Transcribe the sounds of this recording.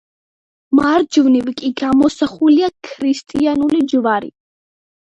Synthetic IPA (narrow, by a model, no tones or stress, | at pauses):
maɾd͡ʒvnivkʼiɡamɔsaχuliakʰɾist̪ʼianulid͡ʒvaɾḭ